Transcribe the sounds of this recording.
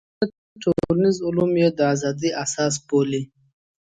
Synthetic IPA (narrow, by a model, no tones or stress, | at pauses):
ət̪ | ʈʰoɾnizʊlumjed̪əazɑd̪iʔasɑːs̬boli